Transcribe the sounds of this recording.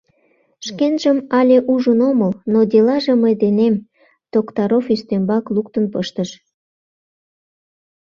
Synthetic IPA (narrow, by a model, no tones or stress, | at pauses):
ʃkenʒəmɑlʲeʔuʒənoməlnod̪ʲelɑʒeməjd̪enem | t̪okt̪ɑɾofyst̪embɑklukt̪ənpəʃt̪əʃ